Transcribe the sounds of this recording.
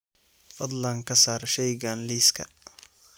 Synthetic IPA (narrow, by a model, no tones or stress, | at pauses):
fɐd̪lɐŋkʰɐsaːɾʃɛjɡanliːskʰɐ̰